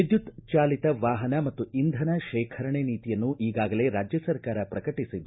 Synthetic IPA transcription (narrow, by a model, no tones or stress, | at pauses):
id̪jut̪t͡ʃaːlit̪ɐʋaːɦɐnɐmɐt̪ːuind̪ʱɐnɐʃɛːkʰɐɾɐɳeniːt̪ijɐnːuʔiːɡaːɡɐle̞ːɾaːd͡ʒjɐsɐɾkaːɾɐpɾɐkɐʈisid̪ːu